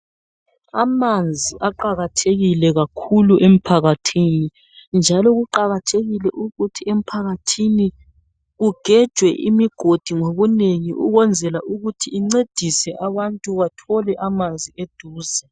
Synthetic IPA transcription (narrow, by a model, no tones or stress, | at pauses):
a̰mand͡zʱiʔaǃaɣatʰeɣilɛɣakʰuluʔem̩pʰaɣatʰiːni | nd͡ʒʱalɔɣuǃaɣatʰeɣilɛʔuɣutʰiem̩pʰaɣatʰini | ɣuɡ̥ʱɛd̥ʒ̥ʱwɛʔḭmiɡ̥ʱod̥ʱiŋoβuneŋiʔṵɣɛnd͡zʱɛlaʔuɣutʰiːŋ͡ǀed̥ʱisɛʔaβantʼuβatʰɔlɛʔamand͡zʱied̥ʱuːza